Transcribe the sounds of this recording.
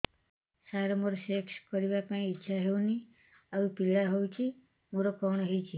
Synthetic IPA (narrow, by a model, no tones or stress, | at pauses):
saɾɔmoɾɔsekskɔɾiβapãĩːtːʃʰaɦewni | aʋupilaɦowt͡ʃʰi | moɾokɔɳ̃ɔɦejt͡ʃʰi